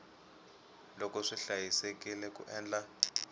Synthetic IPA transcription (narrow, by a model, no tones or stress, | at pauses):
lɔkɔʂiɬajisɛkilɛkṵʔɛːnd͡ɮa